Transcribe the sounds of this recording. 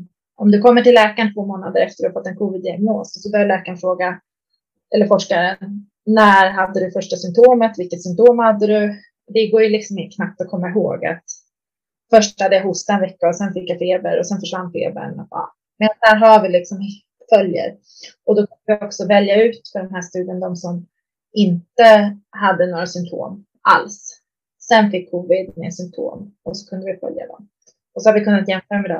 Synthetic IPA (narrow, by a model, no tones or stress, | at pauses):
ʔɔmd̪ɵkʰɔmːəʈɪllːɛːkant̪ʰvoːmoːnad̪əɾɛft̪əɾɵhafɔt̪ːɛnkʰuːvɪd̪jɛɛɡnoːssɔbœɾjalɛːkaɳfɾoːɡa | ʔɛlːəɾfɔʂkaɾə | næɾɦad̪ːəd̪ɵfœʂʈasʏmpt̪ʰoːmət̪vɪlkːət̪sʏmpt̪ʰoːmhad̪ːəd̪ɵ | d̪ɛɡoːɾjɵlɪksɔmɪnt̪əkʰnap̚t̪ɔkʰɔmːaɪɦo̰ːɡa̰t̪ | fœʂʈhad̪ːəjahʊst̪aɛnvɛkːaɔsɛnfɪkːjafeːbəɾɔsɛnfœʂvand̪fḛːbə̰ɳɔ̰ɑ̰ː | mɛːd̪asd̪æːɾɦavɪlɪksɔmhe | t̪fœljə̰ɾ | ɔd̪ɔkʰɵnəvɪɔksɔvɛljaʉ̟ːt̪fœɖɛmɦæːʂt̪ʉ̟ːd̪ɪənd̪ɔmsɔm | ɪnt̪əɦad̪ːənoːɾasʏmt̪ʰo̰ːm | ʔa̰lsː | ɛnfɪkʰːuːvɪd̪mḛsʏmt̪ʰo̰ːmɔsɔ̥kʰɵnd̪əvɪfœ̰lja̰d̪ɔ̰m | ɔsɔhaɾvɪkʰɵnːat̪jɛmføːɾamɛd̪ɛ